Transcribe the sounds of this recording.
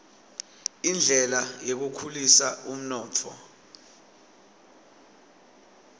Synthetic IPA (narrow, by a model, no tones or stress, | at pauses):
ind͡ɮʱɛlajek̬ukʰulisaum̩nɔːt͡fʰɔ̰